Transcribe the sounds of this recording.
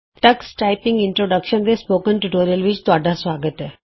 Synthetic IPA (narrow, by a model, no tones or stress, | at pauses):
ʈəksʈaːɪpɪ̃ŋɡɪ̃ɳʈɾoːɖəkʃənd̪espoːkənʈuʈoːɾijəlʋɪt͡ʃt̪ʊaːɖasʋaːɡət̪ɦɛː